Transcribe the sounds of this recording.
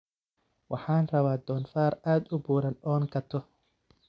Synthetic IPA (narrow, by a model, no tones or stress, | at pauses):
wʔɑħɑːnrɐβaːd̪ɔːnfaːraːd̪ʊbuːɾɐnɔːŋkʰɐt̪ʰɔ